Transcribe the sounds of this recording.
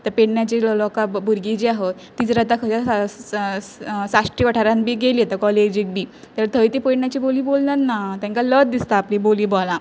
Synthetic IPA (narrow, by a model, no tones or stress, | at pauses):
t̪əɾpeɽnjat͡ɕillɔkabuɾɡid͡ʑiaɦot̪ːit͡sɾat̪akʰəd͡ʑa | saʂʈiʋaʈʰaɾãnbiːɡeliːet̪akɔled͡ʑik̚biː | t̪əɾt̪ʰəjt̪ipeɽnjat͡ɕiːboliːbolnat̪nat̪jãŋkalət̪̚d̪ist̪aːplĩboliːbɔlã